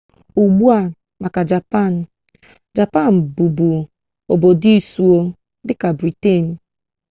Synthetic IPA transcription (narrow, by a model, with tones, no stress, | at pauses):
u˨ɡ͡bu˦a˨ | ma˨ka˨d͡ʒa˨pa˦˨n̩˨ | d͡ʒa˨pa˦˨n̩˨bu˨bu˨ | o˨bo˨di˦su˨o˦ | dɪ˦ka˨bɾi˨te˦˨n̩˨